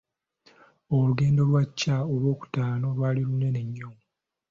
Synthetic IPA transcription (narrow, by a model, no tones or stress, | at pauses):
oluɡe̞ːndo̞lwacːaolwo̞ːku̥taːno̞lwaːlilune̞ne̞ɲːo